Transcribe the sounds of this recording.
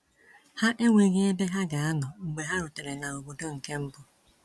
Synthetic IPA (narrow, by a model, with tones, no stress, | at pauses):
ha˦ʔe˦ŋʷe˨ɣe˦e˦be˦ɦa˦ɡa˨a˦nʊ˨ŋ͡m̩˨ɡ͡be˨ɦa˦ɾʊ˨te˨ɾe˨na˨o˨bo˨do˦ŋ̩˨ke˦m̩˦bʊ˦